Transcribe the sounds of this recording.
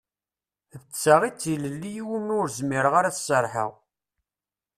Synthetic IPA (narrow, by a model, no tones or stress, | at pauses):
ðət͡sːaʁit͡sːiləlːijiwənʊɾzmiɾəʁaɾaθsəɾˤħə̰ʁ